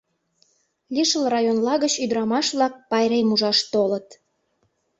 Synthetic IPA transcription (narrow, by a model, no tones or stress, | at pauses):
lʲiʃəlrɑjonlɑɣət͡ɕyd̪ɾɑmɑʃβlɑk̚pɑjɾemuʒɑʃt̪olə̆t̪